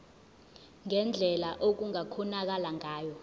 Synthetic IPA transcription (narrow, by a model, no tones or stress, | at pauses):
ŋɛnd͡ɮʱɛlaʔok̬uŋakʰɔnak̬alaŋaːjɔ